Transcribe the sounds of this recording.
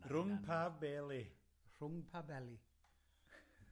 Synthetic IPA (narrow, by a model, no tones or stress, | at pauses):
ɾuŋpʰabɛle | ɾuŋpʰabɛli